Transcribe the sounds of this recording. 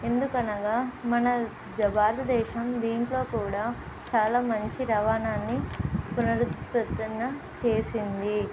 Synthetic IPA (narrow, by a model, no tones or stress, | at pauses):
e̞nd̪ukɐnɐɡaːmɐnɐ | d͡ʒɐbaːɾd̪d̪ɛːʃɐmd̪iːɳʈlo̞ːkuːɽaː | t͡ʃaːlaːmɐɲt͡ʃiɾɐʋaːnaːnːipunɐɾupɐt̪ːɐnːɐ | t͡ʃe̞ːsind̪i